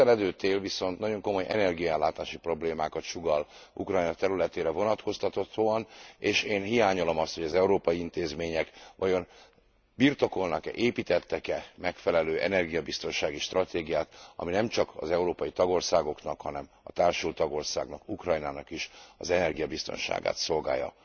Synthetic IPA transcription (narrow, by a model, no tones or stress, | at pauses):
ɛlɛd̪øːt̪eːlviso̞nt̪nɒɟo̞ŋko̞mo̞jʔɛ̰nɛrɡijɒɛlːaːt̪aːʃipro̞bleːmaːkɒt̪ʃuɡɒlṵkrɒjnɒt̪ɛɾylɛt̪eːɾɛvo̞nɒt̪ko̞st̪ɒt̪o̞t̪oɒneːʃeːnɦijaːɲolo̞mɒst̪ho̞ɟɒzɛuɾoːpɒjiint̪eːzmeːɲɛkʋɒjo̞n | birt̪o̞ko̞lnɒkɛʔeːpit̪ɛt̪ːɛkɛmɛkfɛlɛløːʔɛ̰nɛrɡijɒbist̪o̞nʃaːɡiʃt̪rɒt̪eːɡijaːt̪ɒ̰minɛmt͡ʃɒkɒ̰zɛuɾoːpɒjit̪ɒɡo̞rsaːɡo̞knɒkhɒnɛm | ɒt̪aːrʃult̪ɒɡo̞rsaːɡnɒkukrɒjnaːnɒkiʃɒzɛnɛrɡijɒbist̪o̞̰nʃa̰ːɡa̰ːt̪so̞lɡa̰ːjːɒ̰